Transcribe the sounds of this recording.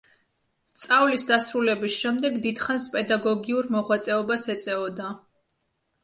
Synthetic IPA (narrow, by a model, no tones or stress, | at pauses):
st̪sʼavlisd̪asɾulɛbisʃɛmd̪ɛɡd̪id̪χanspʼɛd̪aɡɔɡiuɾmɔʁwat̪sʼɛɔbasɛt̪sʼɛɔd̪a